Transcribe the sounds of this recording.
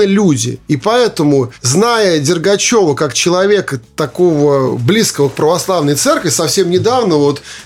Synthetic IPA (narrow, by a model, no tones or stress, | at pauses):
ɨlʲudʲɪ̰ipɐɛt̪əmʊznajədʲɪrɡɐt͡ɕo̞vəkakt͡ɕɪlˠɐvʲe̞kət̪ɐko̞vəblʲiskəvək̚pɾəvɐslˠavnəjt̪sɛrkvʲɪsɐfsʲe̞mnʲɪd̪avnəvo̞t̪